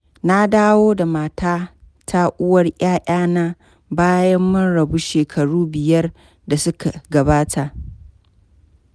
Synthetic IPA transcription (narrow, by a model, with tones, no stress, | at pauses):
na˦daː˦woː˦da˨maː˨taː˦ | tʰa˦ʔʊ˦wɐ˦rʔʼaː˦ʔʲʼaː˦naː˦ | baː˦jɐ˦mːɐ˦nɽɐ˨bu˦ʃeː˨kʰɐ˨ɽuː˦bɪ˨jɐ˦r | da˨sʊ˦ka˨ɡɐ˨baː˦tʰa˨ʔ